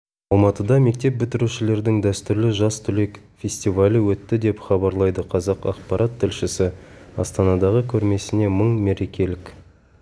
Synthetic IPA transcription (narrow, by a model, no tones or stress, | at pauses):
ɑlˠmɑt̪əd̪ɑme̞k̚t̪e̞p̚bʏt̪ɪɾuʃɪle̞ɾd̪ɪŋd̪æst̪ʏɾlɪʒɑst̪ʰʏle̞kfʲe̞sʲt̪ivalʲəwɵt̪ːɪd̪e̞pχɑbɑɾlˠɑjd̪əqʰɑzɑqɑ̰qpɑɾʔat̪ʰːɪlʃɪsɪɑ̰st̪ɑnɑd̪ɑʁəkʲʰɵɾme̞sɪne̞məɴme̞ɾe̞kʲe̞lɪk